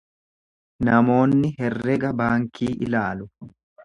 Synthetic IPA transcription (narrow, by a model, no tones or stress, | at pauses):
nɐmo̞ːnːɪɦɛrːɛɡɐbaːŋkʰiːʔɪ̰laːlʊ